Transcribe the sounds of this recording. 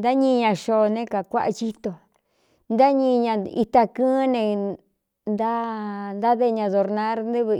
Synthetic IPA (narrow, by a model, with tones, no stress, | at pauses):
nd̪a˦ɲĩ˧ɲã˧ʃo˧nẽ˦ka˨kʷa̰˦ʔa̰˧t͡ʃi˦t̪o˨ | nd̪a˦ɲĩ˧ɲã˧ḭ˧t̪a˧kɨ̃ː˦nẽ˧ | nd̪a˦nd̪a˦ðe˦˧ɲã˧ðo˧ɾnã˧˦ɾnd̪ɨ˦βɨ˧